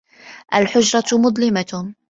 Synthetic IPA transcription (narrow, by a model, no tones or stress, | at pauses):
ʔalħʊd͡ʒɾˤɑt̪mʊd̪ˤlɪma